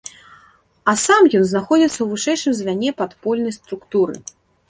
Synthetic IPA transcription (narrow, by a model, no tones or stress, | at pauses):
ɐsamjɔnznaxɔd͡zʲit̪sːɐwvɨʂɛjʂɨmzʲvʲanʲɛpat̪pɔlʲnɐjst̪ɾukt̪uɾɨ̰